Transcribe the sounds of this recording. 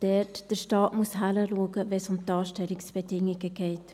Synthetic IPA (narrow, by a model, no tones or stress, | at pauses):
d̥ɛtd̥əɾʃtɑːtmuəshaləluəɡəvɛsʊmdɑːʃtɛlɪksb̥ɛdɪŋɪɡəɡ̥ɛɪt